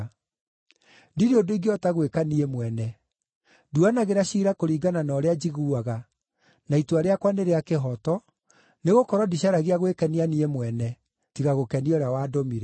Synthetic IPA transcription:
diɾeodoiɡeɔtaɣwekaniemwɛnɛ | duanaɣeɾaɕiːɾakoɾiːɡananɔːɾead͡ʑiɣuaɣa | naituaɾeakwaneɾeakeɦɔtɔ | neɣokɔɾɔdiɕaɾaɣiaɣwekɛnianiɛmwɛnɛ | tiɣaɣokɛniɔɾjawaːdomiɾɛ

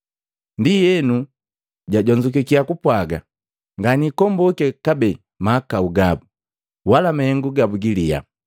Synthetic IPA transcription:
ndijɛnu | ɟaɟɔɲd͡ʒuk̬ikiakupwaɡa | ŋɡanikɔmbɔkɛkabɛ | maːkauɡabu | walamahɛŋɡuɡabuɡilija̰

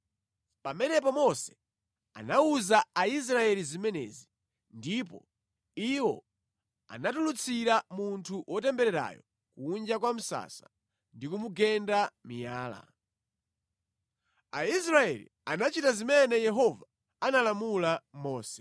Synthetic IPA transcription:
pamɛnɛpɔmɔsɛ̥ | a̰nauzaais̬ɾaɛlizimɛnɛ̰ːzi | ndip̬ɔ | iwɔ̰ | a̰natulut͡sʰiɾamuntʰuwʔɔtɛmbɛɾɛɾa̰jɔ | kuːnd͡ʒakwam̩sa̰sḁ | ndikumuɡɛndamijaːla̰ | ais̬ɾaɛ̰lḭ | anat͡ʃitazimɛnɛjɛɦɔva | analamulamɔːsɛ̥

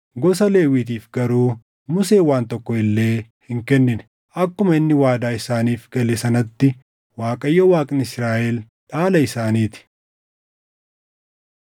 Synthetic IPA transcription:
ɡɔsɐle̞ːwiːt̪̬iːfɡɐɾuː | mʊse̞ːwaːnt̪ɔkːɔɪlːe̞ː | hɪŋkɛnːɪnɛ̥ | ʔɐkːʊmɐɪnːɪwaːd̪aːɪsaːniːfɡɐlɛsɐnɐt̪ːɪ | waːkʼɐjːɔwaːkʼɪnɪsɾaːʔɛl | ᶑaːlɐɪsaːniːt̪ɪ̥

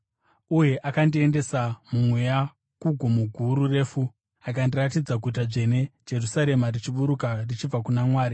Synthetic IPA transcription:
uje̞ʔakandie̞nde̞samumweja | kuɡʱumuɡʱuɾure̞ːfu | akandiratid͡zaɡʱut̬aʐe̞ne̞d͡ʒe̞rusaɾe̞marit͡ʃiɓuɾukarit͡ʃib͡vakunamwaːɾi

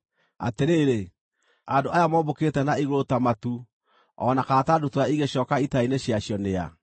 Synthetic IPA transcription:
a̰teɾeːɾe | adoʔajamɔːboketɛnaiɣootamatu | ɔ̰nakatadotoaiɣeɕɔːkaitaineɕjaɕjɔnea̰

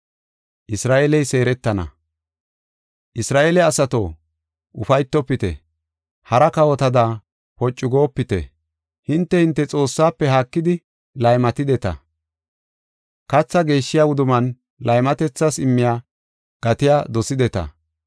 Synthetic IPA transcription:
ʔɪsɾaːʔeːlɛjse̞ːɾɛt̪ːɐnɐ̰ | ʔɪsɾaːʔeːlɛɐsɐt̪oː | ʔʊfɐjt̪ːɔpːɪt̪ɛ̰ | hɐɾɐkɐwɔt̪ɐd̪aː | pɔt͡ʃʼːʊɡoːpːɪt̪ɛ̰ | hɪnt̪ːɛhɪnt̪ːɛt͡sʼo̞ːsːaːpːɛɦaːkːɪd̪ɪ | lɐjmɐt̪ɪd̪ɛt̪ɐ̰ | kɐt͡sːɐɡe̞ːʃːɪjaʊd̪ʊmɐn | lɐjmɐt̪ɛt͡sːɐsɪmːɪjaː | ɡ̥ɐt̪ɪjaːd̪ɔsɪd̪ɛt̪ɐ̰

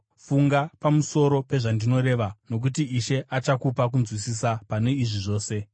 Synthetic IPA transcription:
fuŋɡapamuso̞ɾo̞pe̞ʐandino̞ɾe̞ʋano̞k̬utiiʃe̞ʔat͡ʃakupak̬unzwisisapane̞iʐiʐo̞ːse̞

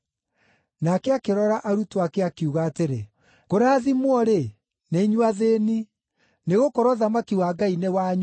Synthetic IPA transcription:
nakɛakeɾɔɾaʔaɾutwakeakiuɣaːteɾe | ɣ̥oɾaːðimwɔɾe | neiɲwaðeni | neɣokɔɾɔðamakiwaɡainewaɲ

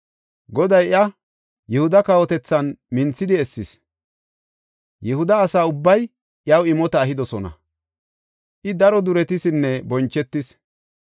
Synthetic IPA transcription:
ɡɔd̪ɐjɪɐ | jɛhʊd̪ɐkawɔt̪ɛt͡sːɐnmɪnt͡sːɪd̪ɪɛsːɪs | jɛhʊd̪ɐːsaːʊbːɐj | ʔjɐwɪmɔt̪ɐːɦɪd̪ɔsɔnɐ̰ | ʔɪd̪ɐɾɔd̪ʊɾɛt̪ɪsɪnːɛbɔnt͡ʃːɛt̪ːɪs

